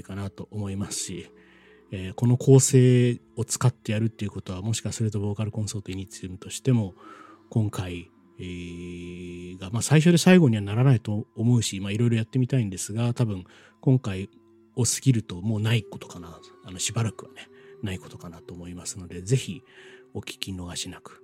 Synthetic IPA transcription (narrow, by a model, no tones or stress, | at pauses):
kanat̪o̞ʔomo̞imasɨ̥ɕi | eːko̞no̞kʰo̞ːse̞ː | o̞t͡sɨ̥kat̪ːe̞jaɾɯ̟t̪ːe̞iɯ̟ko̞t̪o̞β̞amo̞ɕi̥kɯβaso̞ɾet̪o̞bo̞ːkaɾɯ̟kõ̞ɰ̃so̞ːt̪oiɲit͡sɨɯmɯ̟t̪o̞ɕi̥t̪e̞mo̞ | kõ̞ŋkai | ɡamaːsaiɕ̬o̞d̪e̞saiɡo̞ɲ̟iβanaɾanait̪o̞ːmo̞ɯ̟ɕimaiɾo̞iɾo̞jat̪ːe̞mʲit̪aĩnd̪e̞sɨɡat̪abɯ̟̃ŋ | kõ̞ŋkai | o̞sɨ̥ɡʲiɾɯ̟t̪o̞mo̞ːnaiko̞t̪o̥kanaano̞ɕibaɾakɯ̟βane̞naiko̞t̪o̞kanat̪o̞ːmo̞imasɨno̞d̪e̞ze̞çio̞kʲi̥kʲino̞ɡaɕinakɯ̟̥